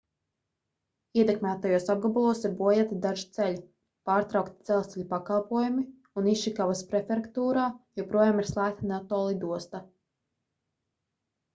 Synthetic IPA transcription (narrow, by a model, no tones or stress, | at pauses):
iɛt̪ɛkmæːt̪ajuɔsab̚ɡabulˠuɔsiɾbuɔjat̪id̪aʒi̥t̪selʲ | paːɾt̪ɾawkt̪id̪z̥ɛlˠst̪ɛʎʲupakalˠpuɔjumi | uniʃikavaspɾɛfʲeɾkt̪uːɾaːjɛpɾuɔjaːmiɾslˠæːk̚t̪anɛt̪ːɔːlˠid̪uɔst̪a